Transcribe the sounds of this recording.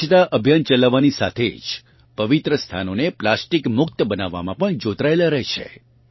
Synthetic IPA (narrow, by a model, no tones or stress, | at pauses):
ət̪aʔəbʱjənt͡ʃəlaʋːanisa̰t̪ʰḛd͡ʒ | pəʋit̪ɾəst̪ʰanoneplasʈikmʊk̚t̪əbənaʋːa̰mãpəɳd͡ʒot̪ɾaelaɾəɦt͡ʃʰḛ